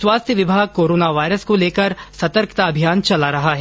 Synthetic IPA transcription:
swaːst̪ʰjəʋɪbʱaːɡ̚koːɾoːnaʋaːɪɾəskoleːkəɾsɐt̪əɾkt̪aɐbʱijaːnt͡ʃɐlaɾɐɦaɦɛː

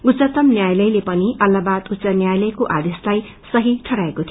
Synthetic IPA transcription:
ɡut͡sʌt̪ʌmnjajlʌjlepʌniʔʌlːabad̪ut̪ːsʌnjajlʌjkoʔad̪eslaj | sʌɦiʈʰʌɽaekot̪ʰi

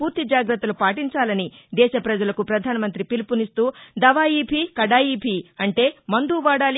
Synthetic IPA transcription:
puːɾt̪id͡ʒaːɡɾɐt̪ːɐlupaːʈiɲt͡ʃaːlɐnid̪ɛːʃɐpɾɐd͡ʒɐlɐkupɾɐd̪ʱaːnɐmɐnt̪ɾipilipunist̪uːd̪ɐʋaːjiːpʰikɐɽaːjiːpiɐɳʈe̞ːmɐnd̪uːʋaːɽaːl

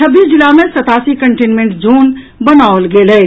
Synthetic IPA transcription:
t͡ʃʰəbːisd͡ʒilamẽsət̪aːsikəɳʈenmẽɳʈd͡ʒuːn | bənaolɡeːlə

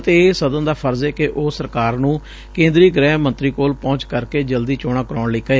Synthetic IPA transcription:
t̪eːsəd̪ənd̪aːpʰəɾzeːkɪʔoːsəɾkaːɾnũː | kẽːnd̪ɾiːɡɾɛːmə̃nt̪ɾiːkoːlpɔ̃ːɲt͡ʃkəɾkeːd͡ʒəld̪iːt͡ʃoːɽ̃aːkəɾoːɳliːkəeː

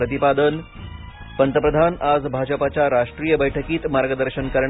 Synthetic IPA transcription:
ɾət̪̬ipad̪ən | pənt̪əpɾəd̪ʱanad͡zbʱad͡ʑəpat͡ɕjaɾaʂʈɾijəbəjʈʰəkiːt̪maɾɡəd̪əɾɕənkəɾɳ

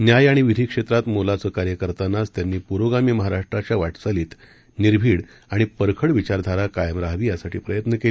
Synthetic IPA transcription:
njajaɽ̃iʋid̪ʱiːkʂet̪ɾat̪molat͡səːkaɾjəkəɾt̪anːast̪janːiːpuɾʋoɡamiːməɦaɾaʂʈɾat͡ɕjaʋaʈt͡saliːt̪ | niɾbʱiːɽ | aɽ̃ipəɾkʰəɽʋit͡ɕaɾd̪ʱaɾakajəmɾaɦʋiːjasaʈʰiːpɾəjət̪nəkel

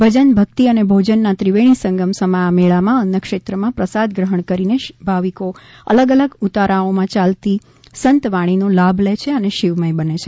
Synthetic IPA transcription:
bʱəd͡ʒənbʱəkt̪iənebʱod͡ʒənːãt̪ɾiʋeɽ̃isə̃ŋɡəmsəmaːmeɭamãənjəkʃet̪ɾəmãpɾəsad̪ɡɾəɦəɳkəɾinebʱaʋiko | ə̰ləɡələɡut̪aɾaomãt͡ʃalt̪i | sənt̪ʋaɽ̃inolabʱlet͡ʃʰeəneʃiʋməjbənet͡ʃʰe

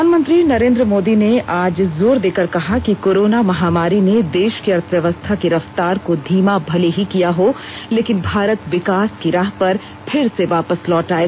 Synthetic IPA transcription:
aːnmə̃nt̪ɾinɐɾẽːnd̪ɾəmoːd̪ineaːd͡ʒzoːɾd̪eːkəɾkɐɦakikoːɾoːnamɐɦaːmaːɾined̪eːʃkiɐɾt̪ʰəʋjɐʋəst̪ʰakiɾɐft̪aːɾkod̪ʱiːmabʱɐleɦikijaɦo | leːkɪnbʱaːɾət̪ʋɪkaːskiɾaːɦpɐɾ | pʰɪɾseʋaːpəslɔːʈaːe

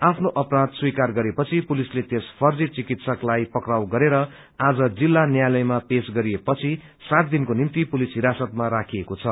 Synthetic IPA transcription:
apʰnoʔʌprad̪swikarɡʌɾepʌt͡sʰipulislet̪espʰʌrd͡zit͡sikit̪sʌklajpʌkrawɡʌɾeɾʌ | ad͡zʌd͡zilːanjajlʌjmapesɡʌɾiepʌt͡sʰi | sat̪̚d̪inkonimt̪ipulisɦiɾasʌt̪maɾakʰijekot͡sʰʌ

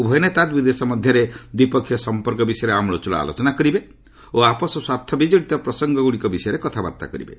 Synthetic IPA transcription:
ubʱɔjɔnet̪ad̪bid̪esɔmɔd̪ʱjɔɾed̪ipɔkʰjɔsɔmpɔɾkɔbisɔjɔɾeamɭɔt͡ʃuɭɔ̰a̰lo̰t͡ʃɔnakɔɾibe | oapɔsɔswaɾt̪ʰːɔbid͡ʒɔɽit̪ɔpɾɔsɔŋɡɔɡuɽikɔbisɔjɔɾekɔt̪ʰaba̰ɾt̪a̰kɔɾḭbḛ

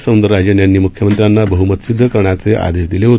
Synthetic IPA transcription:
səwnd̪əɾɾad͡ʑjənjanːiːmukʰjəmənt̪ɾjanːabəɦumət̪sid̪ʱːəkəɾɳjat͡seʔa̰d̪eʂd̪ileɦot̪

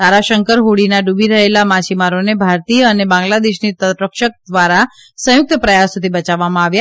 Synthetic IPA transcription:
t̪aɾaʃəŋkəɾɦuɽinaɖubiɾəɦelamat͡ʃimaɾonebʱaɾt̪ijəənebãŋɡlad̪eʃnit̪ət̪ɾəkʃək̚d̪ʋaɾa | sə̃jʊk̚t̪əpɾəjasud̪ʱibət͡ʃaʋːamãaʋja

